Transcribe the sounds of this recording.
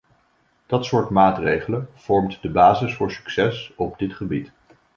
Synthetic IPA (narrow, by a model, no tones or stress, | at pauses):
d̥ɑtsʊːɹtmaːtrejχələnv̥ɔɹmtdəbaːzɪsfʊːɹsy̥ksɛsɔb̚dɪtχəbit